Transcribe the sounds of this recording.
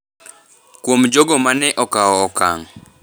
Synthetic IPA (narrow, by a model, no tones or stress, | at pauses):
kwomd͡ʒoɡɔmanɛʔɔkaɔːka̰ŋ